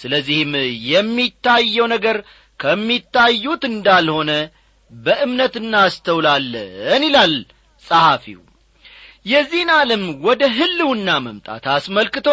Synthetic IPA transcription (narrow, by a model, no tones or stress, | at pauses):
sɨləzːihɨmjɛmːit̪ʰːajːɛwnəɡəɾ | kʰəmːit̪ʰːajːut̪ɨnd̪alho̞nə | bəʔɨmnət̪ɨnːaːst̪ʰəwlalːənilal | sʼahafḭw | jɛzːihnaləmwɔd̪əɦɨlːɨwɨnːaməmt̪ʼa̰t̪asməlkɨt̪ʰo̞